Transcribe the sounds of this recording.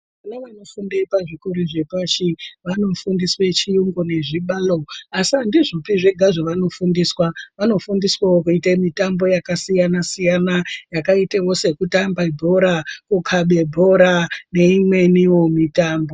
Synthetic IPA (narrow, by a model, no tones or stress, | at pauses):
kunaʋano̞fundeipaʐikuɾiʐe̞paʃiʋano̞fundiswe̞t͡ʃijuŋɡone̞ʐiɓalo̞asandiʐopiʐe̞ɡʱaʐoʋano̞fundiswaʋano̞fundiswawokuitemitambo̞jakasijanasijanajakaitejo̞se̞kutambaibʱo̞ɾakukʰaɓe̞bʱo̞ɾane̞imwe̞niwomitaːmbo̞